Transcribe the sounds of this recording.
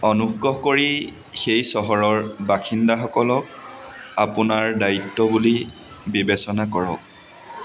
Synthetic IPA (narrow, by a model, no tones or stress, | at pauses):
ɔnuɡɔɦkoɹi | xejsɔɦɔɹɔɹbaxʰindaxɔkɔlɔk̚ | apʊnaɹdaitːɔbuli | bibesɔnakɔɹɔk